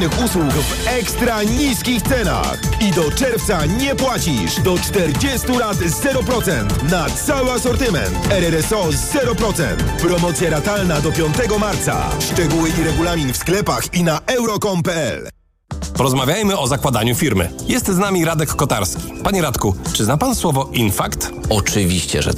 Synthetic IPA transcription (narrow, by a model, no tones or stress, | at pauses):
nɘxuswukv | ɛkst̪ɾaɲiskʲixt̪sɛna̰xid̪ɔt͡ʂɛɾft̪saɲɛpwat͡ɕiʂd̪ɔt͡ʂt̪ɛɾd͡ʑɛst̪uɾat̪zɛɾɔpɾɔt̪sɛnt̪nat̪sawɘasɔɾt̪ɘmɛ̰nt̪ɛɾɛɾɛsɔzɛɾɔpɾɔt̪sɛ̰nt̪pɾɔmɔt̪sʲjaɾat̪alnad̪ɔpʲjɔnt̪ɛɡɔmaɾt̪sa̰ʂt͡ʂɛɡuwɘiɾɛɡulamʲiɲfsklɛpaxinaʔɛwɾɔkɔmpɛɛ̰l | pɔɾɔzmavʲjajmɘɔzakwad̪aɲufʲiɾmɘ̰jɛst̪znamʲiɾad̪ɛkːɔt̪a̰ɾskʲi̥paɲɛɾat̪kut͡ʂɘznapanswɔvɔʔinfakt̪ | ɔt͡ʂɘvʲiɕt͡ɕɛ̰ʐɛ̰